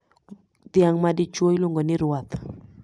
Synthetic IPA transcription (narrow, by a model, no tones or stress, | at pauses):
t̪jaŋmadɪt͡ʃwojlwoŋɡonɪɾwat̪